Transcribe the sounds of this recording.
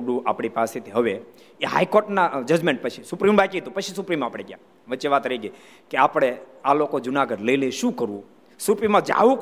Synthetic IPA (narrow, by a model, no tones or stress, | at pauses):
ɽũapɽ̃ipaset̪ʰiɦəʋe | eɦa̰jkoɾʈnad͡ʒəd͡ʒmẽɳʈ̚pət͡ʃʰisʊpɾimbakiɦəd̪ũpət͡ʃʰisupɾimapɽ̃eɡja̰ | ʋəːt͡ʃeʋat̪ɾəiɡəi | keapɽ̃e | alokod͡ʒunaɡəɖləileʃũkəɾũ | supɾimãd͡ʒa̰ʋũ